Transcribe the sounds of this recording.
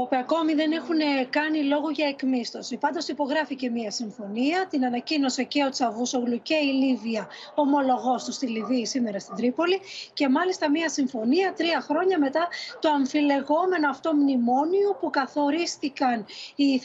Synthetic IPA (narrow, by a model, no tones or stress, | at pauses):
opeɐko̞miðene̞xune̞kɐnilo̞ɣuʝɐekmist̪o̞sipɐnd̪o̞sipo̞ɣɾɐfice̞miɐsiɱfo̞niɐt̪inɐnɐcino̞sɐceo̞t͡sɐvusoɣluceiliviɐ | o̞mo̞lo̞ɣo̞st̪ust̪iliviːsime̞ɾɐst̪id̪ɾipo̞lice̞mɐlist̪ɐmiɐsiɱfo̞niɐt̪ɾiɐxɾo̞ɲɐme̞t̪ɐt̪oɐɱfile̞ɣo̞me̞no̞ɐft̪omnimo̞niopukɐθo̞ɾisθikɐni